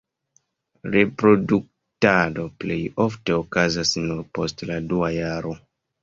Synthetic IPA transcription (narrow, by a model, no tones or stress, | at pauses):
ɾe̞pɾo̞duk̚ | tado̞ple̞jo̞fte̞okazasnuɾpo̞stladuajaɾo̞